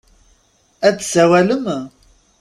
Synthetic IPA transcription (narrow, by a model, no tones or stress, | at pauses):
æðsæwæləm